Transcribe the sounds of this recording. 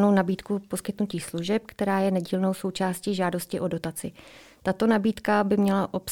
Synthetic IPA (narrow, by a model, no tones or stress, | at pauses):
no̞wnabiːt̪kupo̞skɪt̪nuciːsluʒɛp̚kt̪ɛɾaːjɛnɛɟiːlno̞wso̞wt͡ʃaːsciːʒaːdo̞scɪʔo̞do̞t̪at͡sɪ | t̪at̪o̞nabiːt̪kabɪmɲɛlaʔo̞ps